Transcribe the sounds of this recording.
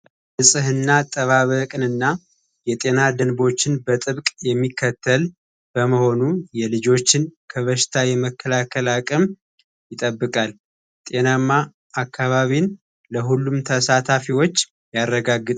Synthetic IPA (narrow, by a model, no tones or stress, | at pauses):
ɨsʼɨɦɨnːat̪ʼəβaβəkʼɨnɨnːa | jɛt̪ʼe̞nad̪ənbo̞t͡ʃːɪnbət̪ʼɨβkʼjɛmːikʰːət̪ʰːəl | b̥əməho̞nujɛlɨd͡ʒo̞t͡ʃːɪnkʰəβəʃɪ̥t̪ʰajɛməkʰːəlakʰːəlakʼəm | jɪt̪ʼəbːɨkʼal | t̪ʼe̞namːaː | kʰːaβaβin | ləɦulːumt̪ʰəsat̪ʰafiwo̞t͡ʃː | jarːəɡaɡːɨt̪ʼ